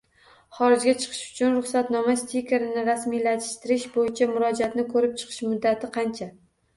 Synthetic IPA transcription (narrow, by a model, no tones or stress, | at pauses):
χɒɾɪd͡ʒɡʲat͡ʃʰɨ̥qʰɨ̥ʃʊ̥t͡ʃʰʊnɾʊχsat̪nɒmast̪ʰikʲʰe̞ɾɪnɪɾasmijlat̪ʰɪʃt̪ɪɾɪʃbojɪt͡ʃʰamʊɾɒd͡ʒat̪nɪkʰɵɾɪp̚t͡ʃʰɨ̥qʰɨ̥ʃmʊd̪ːat̪ʰɪqʰɑnt͡ʃʰa